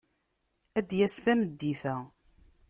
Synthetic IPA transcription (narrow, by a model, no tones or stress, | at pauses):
æd̪jæsθæməd̪ːiθæ